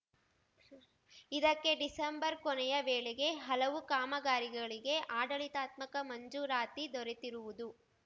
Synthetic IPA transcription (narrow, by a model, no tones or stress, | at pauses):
id̪ɐkːe̞ɖisɐmbɐɾkɔnɛjɐʋeːɭɛɡe̞ɦɐlɐʋukaːmɐɡaːɾiɡɐɭiɡe̞ʔaːɖɐɭit̪aːt̪mɐkɐmɐɲd͡ʒuːɾaːt̪id̪ɔɾet̪iɾuʋud̪u